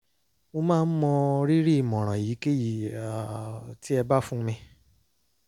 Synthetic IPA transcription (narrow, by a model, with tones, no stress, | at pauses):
o˧mãː˦˧n̩˦mɔ̃˧ɾi˦ɾi˦i˨mɔ̃˨ɾ̃ã˨ji˨˦ke˦ji˨a˨ti˦ɛ˧ba˦fũ˦˧mĩ˧